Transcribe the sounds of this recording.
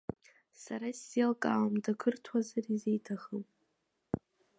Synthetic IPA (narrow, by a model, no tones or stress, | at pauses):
saɾaselkʼawmdakʰɨrtʰwazarizejtʰaχəwpʼ